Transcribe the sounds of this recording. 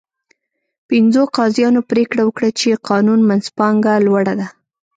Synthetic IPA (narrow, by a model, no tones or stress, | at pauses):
pɪnzoqɑzjɑnopɾekɽawəkɽat͡ʃeqɑnunmanzpɑŋɡalwaɽad̪a